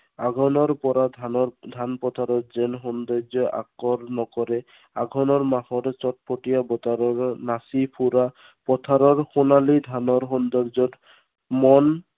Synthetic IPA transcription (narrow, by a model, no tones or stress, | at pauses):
aɡʱɔnɔɾpɔɾaaɔd̪ʱanpɔt̪ʰaɾɔtzɛnxɔnd̪ɔɾzɔʔa̰kɔɾnɔkɔɾɛ | aɡʱɔnɔɹmaxɔɾt͡ʃɔt̚pɔʈijabɔt̪aɾɔɹnasipʰuɾa | pɔt̪ʰaɾɔɹxonalid̪ʱanɔɾxɔnd̪ɔɾd͡ʒɔt | mɔn